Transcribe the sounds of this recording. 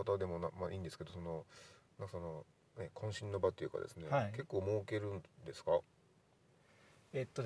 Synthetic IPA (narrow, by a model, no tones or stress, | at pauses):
at̪ad̪e̞mo̞namaʔĩːnd̪e̞sɨ̥ke̞d̪o̞so̞no̞nãŋkasono̞ | nekʰõ̞ɰ̃ɕĩnːo̞bat̪ojɯ̟ːka̰d̪esɨne̞ke̞kːo̞ːmoːɯke̞ɾɯ̟̃nd̪e̞sɨ̥ka | et̪ːo